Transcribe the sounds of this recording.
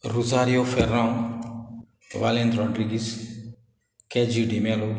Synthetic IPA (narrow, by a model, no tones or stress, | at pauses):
ruzaɾiofɛrãŋ | valɛ̃nd̪ɾɔd̪ɾiɡis | kɛd͡ʒiudimɛlo